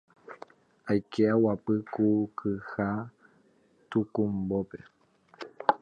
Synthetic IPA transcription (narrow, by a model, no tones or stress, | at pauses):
ajkʰeawapɨkukʰɨha | t̪ukũmbope̞